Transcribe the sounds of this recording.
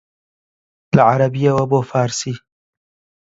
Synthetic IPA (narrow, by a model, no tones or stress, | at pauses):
laʕaɾɐbijawɐboːfaːɾsiː